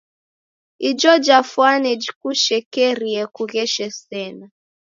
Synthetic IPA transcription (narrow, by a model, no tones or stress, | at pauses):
id͡ʒɔd͡ʒafwanɛd͡ʒikuʃɛkɛɾiɛkuɣɛʃɛsɛna